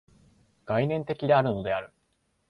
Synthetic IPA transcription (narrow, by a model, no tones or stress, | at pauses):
ɡ̥ainẽ̞nt̪e̞kʲid̪eaɾɯ̟no̞d̪e̞aɾɯ̟